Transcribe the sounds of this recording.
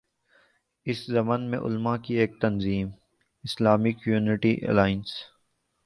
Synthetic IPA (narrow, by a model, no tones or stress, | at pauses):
ɪszɐmənmḛ̃ʔʊ̰lmakieːk̚t̪ɐnziːm | ɪslaːmɪkjuːnɪʈiʔḛlaːɪns